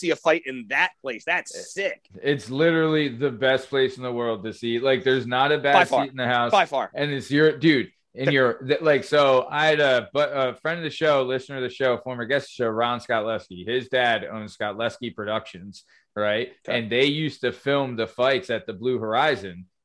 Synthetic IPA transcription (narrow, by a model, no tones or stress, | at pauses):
siɨfaɪɾɪ̃nðɨt̚pʰl̥eɪsðætsɪkɪtslɪɾə˞l̩ˠiðɨbɛspʰl̥eɪsn̩ðəwɜ˞lˠd̚tɨsilaɪk̚ðə˞znəɾɨbæsiɾn̩ðɨhaʊsaɪfɑɹɨ̃nɨtsjə˞dʉd | ɨ̃njə˞ðɨlaɪksoʊaɪɨɾɨbʌʌfɹɛ̃ndʌvðɨʃoʊlɪsnə˞ɨðɨʃoʊfɔɹmə˞ɡɛsʃoʊɹɑ̃nskɑtˡlɛskiɪzdæɾõ̰ʊ̃n̥skɑtˡlɛskipʰɹ̥ɨdʌkʃɨ̃nz̥ | ɹaɪt̚ɨ̃nðeɪjʉstɨfɪlˠmðəfaɪtsɨt̪̚ðɨblʉhə˞aɪzɨ̃n